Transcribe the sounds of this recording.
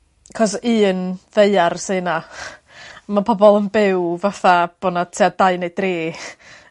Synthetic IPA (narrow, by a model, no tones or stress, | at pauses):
kʰɔsiːnðeɨarsɨːna | mapʰɔbɔlˠənbɪwvaθab̥oːnatʰeadaɨnejd̥reː